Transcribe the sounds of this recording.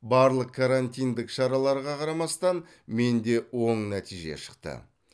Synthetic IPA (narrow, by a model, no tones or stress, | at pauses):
bɑɾlˠəq̚kʰaɾant̪ijnd̪ɪkʃɑɾɑlˠɑɾʁɑqʰɑɾɑmɑst̪ɑn | me̞nd̪e̞wo̞ɴnæt̪ijʒe̞̰ʃə̥qt̪ə̰